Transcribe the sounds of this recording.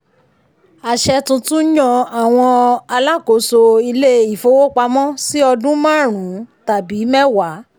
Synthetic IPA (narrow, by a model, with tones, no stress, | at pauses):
a˨ʃɛ˧tũ˧tũ˦jɔ̃˧a˨w̃ɔ̃˧a˧la˦ko˨˦so˧i˧le˦i˨fo˧˦wo˦k͡pa˧˦mɔ̃˦si˦ɔ˧dũ˦mã˦˨ɾ̃ũ˨˦ta˨bi˨˦mɛ˦wa˨˦